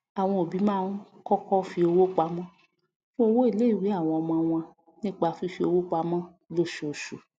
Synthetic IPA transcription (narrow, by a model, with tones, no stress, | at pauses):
a˨w̃ɔ̃˧o˨bi˨˦mãː˦˧˦n˦ | kɔ˦kɔ˦fi˧o˧wo˦k͡pa˧˦mɔ̃˦ | fũ˦o˧wo˦i˦˨le˨˦i˦˨wi˨˦a˦˨w̃ɔ̃˧ɔ˧mɔ̃˧w̃ɔ̃˧ | nĩ˦k͡pa˧˨fi˧˦fi˧˦o˧wo˦k͡pa˧mɔ̃˦ | lo˦ʃo˨ʃu˨